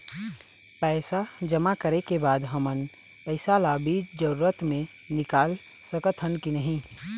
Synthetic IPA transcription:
pɛɪsad͡ʒəmakəɾekebaːd̪ɦəmən | pəɪsalabid͡ʒd͡ʒəɾuːɾət̪mẽ | nɪkaːl | səkət̪ʰɦənkinəɦĩ

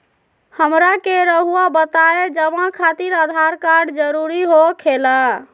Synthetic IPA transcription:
həmɾakeɾəɦuabət̪aed͡ʒəmãkʰat̪iɾəd̪ʱaɾkaɾɖd͡ʒəɾuɾiɦokʰela

